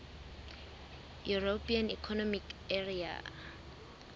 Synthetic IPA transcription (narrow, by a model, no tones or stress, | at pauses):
juropʰianḭkʰɔnɔmikeria̰